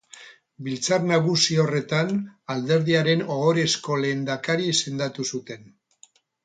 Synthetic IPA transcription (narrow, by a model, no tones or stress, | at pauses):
bilt͡sarnaɣusiore̞t̪anald̪e̞ɾðiaɾe̞nooɾe̞sko̞le̞ːnd̪akaɾise̞nd̪at̪usut̪e̞n